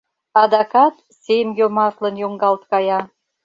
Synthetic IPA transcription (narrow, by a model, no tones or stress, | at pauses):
ɑd̪ɑkɑt̪ | semjomɑt̪lənjoŋɡɑlt̪kɑjɑ